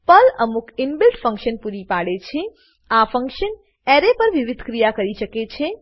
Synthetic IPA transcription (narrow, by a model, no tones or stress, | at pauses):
pələmukɪnbilʈfə̃ŋkʃənpuɾipaɽet͡ʃʰe | afə̃ŋkʃən | eɾepəɾʋiʋid̪ʱkɾijakəɾiʃəket͡ʃʰe